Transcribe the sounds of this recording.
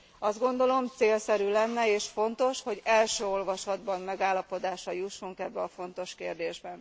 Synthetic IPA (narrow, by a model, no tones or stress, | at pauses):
ɒzd̪̚ɡo̞nd̪o̞lo̞mt̪seːlsɛɾylɛnːɛeːʃfo̞nt̪o̞ʃho̞ɟɛlʃøːo̞lvɒʃɒd̪bɒmmɛɡaːlːɒpo̞d̪aːʃɒjuʃːuŋkɛbːɛɒfo̞nt̪o̞ʃkeːrd̪eːʒbɛn